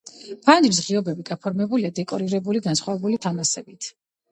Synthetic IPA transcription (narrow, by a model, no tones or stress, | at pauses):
pʰand̪iɾs̬ʁiɔbɛbiɡapʰɔɾmɛbuliad̪ɛkʼɔɾiɾɛbuliɡansχwavɛbulit̪ʰamasɛbit̪ʰ